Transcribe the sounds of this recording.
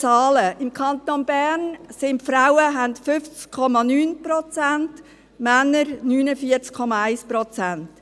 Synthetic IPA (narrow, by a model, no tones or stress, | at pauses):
t͡sɑːləʔɪmkʰɑnt̪onbæːrnsɪntfɾawəɦæntfʏft͡skʰɔmɑnyːnpɾɔt͡sænt | mænːəɾnyːnəfiəɾt͡skʰɔmɑæɪspɾɔt͡sænt